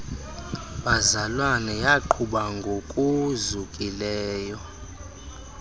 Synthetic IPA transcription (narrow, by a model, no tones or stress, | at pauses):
ɓazalwanɛjaǃʰuɓaŋɡʱokʼuzukʼilɛːjɔ